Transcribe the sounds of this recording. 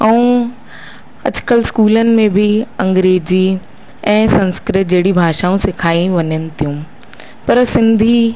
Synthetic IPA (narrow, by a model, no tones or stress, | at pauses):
ɐũ | ɐd͡ʑkəlskuːlənɪ̆mẽbʱiɐ̃ŋɡɾeːd͡ʑi | ɛ̃ːsɐ̃nskɾɪt̪̚d͡ʑɐːɽibʱaːʃaːũsɪkʰaːĩʋɐɲənɪ̆t̪ijũː | pɐɾsɪ̃nd̪ʱi